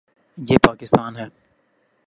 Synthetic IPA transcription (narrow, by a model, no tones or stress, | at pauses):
jeːpaːkɪst̪aːnɦɛː